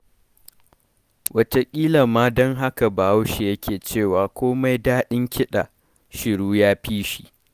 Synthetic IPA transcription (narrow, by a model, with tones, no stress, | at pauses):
wʔɐ˦te˦kʲʼiː˦lɐ˨mːaː˦dɔ˦ŋɦa˦ka˨ba˨ha˦wʃe˨jɐ˦kʲeː˨t͡ʃeː˦˨waː˨kʷoː˦ma˦jdaː˦ɗɪ˦ŋkʲʰɪ˦ɗa̰˨ | ʃɪ˨ɽuː˦jaː˦ɸiː˦ʃi˨